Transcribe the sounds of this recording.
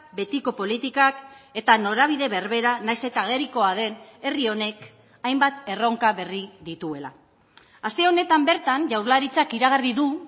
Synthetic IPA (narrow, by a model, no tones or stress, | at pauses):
be̞t̪iko̞po̞lit̪ikake̞t̪ano̞ɾaβ̞iðe̞βe̞ɾβe̞ɾanajse̞t̪aɣ̞e̞ɾiko̞að̞e̞ne̞rio̞ne̞k | ajmbat̪e̞ro̞ŋkaβe̞riðit̪ue̞la̰ | ast̪eo̞ne̞t̪ambe̞ɾt̪aɲʝawɾlaɾit͡sakiɾaɣ̞ariðu